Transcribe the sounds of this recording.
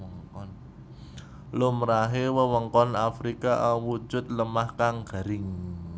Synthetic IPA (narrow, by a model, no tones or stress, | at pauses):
əŋkɔn | lomɾaɦewəwəŋkɔnafɾikaʔawu̥d͡ʒ̥ʊ̤t̪̚ləmahkaŋɡ̥a̤ɾɪŋ